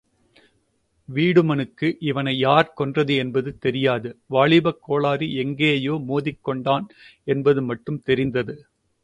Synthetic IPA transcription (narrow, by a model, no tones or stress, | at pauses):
ʋiːɽɯmɐnɯkːɯʔɪʋɐnɐɪjaːɾkɔndrɐðɯɛnbɐðɯt̪ɛɾɪjaːðɯʋaːɭɪbɐkːoːɭaːɾiɛŋɡeːɐjoːmoːðɪkːɔɳɖaːnɛnbɐðɯmɐʈːɯmt̪ɛɾɪnd̪ɐðɯ